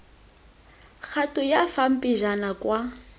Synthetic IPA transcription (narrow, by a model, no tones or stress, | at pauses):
k͡xʰatʼʊjafam̩pʼiʒanakwa